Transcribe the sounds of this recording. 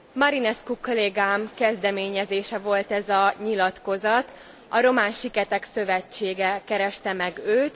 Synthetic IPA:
mɒɾinɛskukoleːɡaːmkɛzd̪ɛmeːɲɛzeːʃɛvo̞lt̪ɛzɒɲilɒt̪ko̞zɒt̪ | ɒɾo̞maːnʃikɛt̪ɛksø̞vɛt͡ʃːeːɡɛkɛɾɛʃt̪ɛmɛɡøːt̪

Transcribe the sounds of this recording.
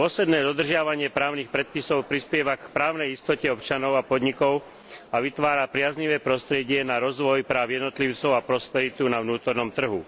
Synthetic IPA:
pɔsɛd̪nɛːd̪ɔd̪r̩ʒɪaʋaɲɪɛpɾaːʊnixpɾɛt̪̚pisɔʊpɾispɪjɛʋakpɾaːʊnɛjist̪ɔcɛɔpt͡ʃanɔʊapɔd̪ɲikɔʊ | aʋit̪ʋaːɾapɾɪazɲiʋɛːpɾɔst̪ɾɪɛɟɪɛnaɾɔzʋɔjpɾaːʊjɛd̪nɔt̪liʊt͡sɔʊapɾɔspɛɾit̪unaʋnuːt̪ɔɾnɔmt̪r̩ɦu

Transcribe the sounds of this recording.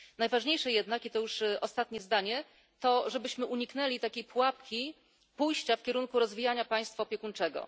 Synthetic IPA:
najvaʐɲejʂɛjɛd̪nakit̪ɔjuʂʔɔst̪at̪ɲɛzd̪aɲɛ | t̪ɔʐɛbɘɕmɘʔuɲikn̪ɛlʲit̪akʲejpwapkʲi | pujɕt͡ɕafkʲɛɾuŋkuɾɔzvʲijaɲapaj̃st̪faɔpʲjɛkunt͡ʂɛɡɔ̰

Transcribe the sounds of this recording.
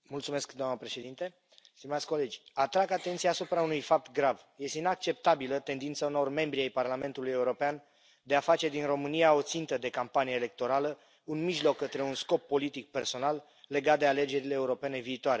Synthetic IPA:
mult̪sume̞skd̪oamnəpɾe̞ʃe̞d̪int̪e̞ | st̪imat̪sʲko̞le̞d͡ʒʲat̪ɾaɡat̪ent̪sijaːsupɾaunujfap̚t̪ɡɾav | je̞st̪einak̚t͡ʃe̞p̚t̪abilət̪e̞nd̪int̪sauno̞rme̞mbɾiajparlame̞nt̪uluje̞uɾo̞pean | d̪e̞afat͡ʃe̞d̪inro̞mɨnijao̞t̪sint̪əd̪e̞kampanijeːle̞k̚t̪o̞ɾalə | unmiʒlo̞kːət̪ɾe̞unsko̞pːo̞lit̪ik̚pe̞rso̞nalː | e̞ɡat̪̚d̪eale̞d͡ʒe̞ɾile̞ːuɾo̞pe̞ne̞viːt̪oaɾe̞

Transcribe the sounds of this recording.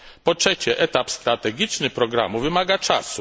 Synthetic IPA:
pɔtʂɛt͡ɕɛʔɛt̪apst̪ɾat̪ɛɡʲit͡ʂnɘpɾɔɡɾa̰muvɘmaɡat͡ʂasu

